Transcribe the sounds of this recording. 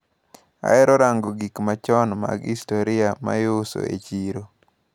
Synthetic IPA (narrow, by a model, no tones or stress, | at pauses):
a̰ɛɾɔɾaŋɡoɡikmat͡ʃɔnma̰ɡistoɾɪama̰joso̰ḛt͡ʃiɾo